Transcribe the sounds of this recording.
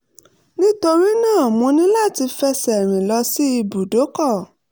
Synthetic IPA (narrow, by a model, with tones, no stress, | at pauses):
nĩ˦to˧ɾi˦nãː˦˨mũ˧nĩ˦la˦˨ti˧fɛ˧sɛ˨ɾ̃ĩ˨lɔ˧si˦i˧bu˨do˨˦kɔ˦˨